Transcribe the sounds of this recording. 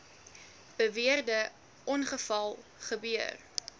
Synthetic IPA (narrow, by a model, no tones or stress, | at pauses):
b̥əviərdə | ʔɔnχəfɐlˠχəbyər